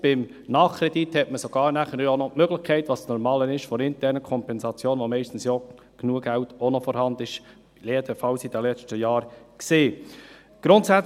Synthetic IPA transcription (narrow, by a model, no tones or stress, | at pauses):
b̥ɪm | nɑːχkʰɾɛdithɛtməsoɡ̥ɑːɾnæχəɾonɔtmøɡlɪχkʰɛɪtʋɑssnɔɾmɑːlənɪʃfɔɾɪntɛːɾnəkʰɔmpɛnsɑt͡sjoːnʋomɛɪʃtn̩sjɔ | ɡ̥nuəɡæltɔnɔfɔɾhɑnd̪ɪʃ | leːd̪əfɑlsid̥əlɛt͡ʃtəjɑːɾkseː | ɡ̥ɾʊntsæt͡s